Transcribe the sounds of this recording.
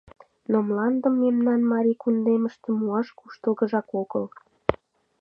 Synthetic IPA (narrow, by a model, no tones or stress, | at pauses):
nomlɑnd̪ə̆mːemnɑnmɑɾʲikund̪eməʃt̪ĕmuɑʃkuʃt̪əlɣəʒɑkoɣə̰l